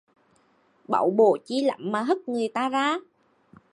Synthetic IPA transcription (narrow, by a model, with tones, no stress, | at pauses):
ɓa̰˧˩wɓo̰˧˨t͡ɕi˧˦lə̰˧˨mːaː˨˩ɦə˦˥t̚ŋɨ˨˩əjt̪aː˧zaː˧˦